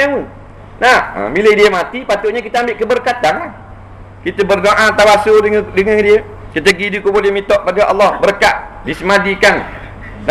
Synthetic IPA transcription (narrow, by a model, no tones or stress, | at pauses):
eu | nahə̰miləhdiəmat̪ipat̪ʊʔɲək̬it̪əambɪʔkəbərkat̪ana | kit̪əbərdoʔat̪awasodəŋandiə | kit̪əɡidikubʊdjamit̪ɔʔpadəʔɑ̰lːɑhbərkaʔdisəmadikan | n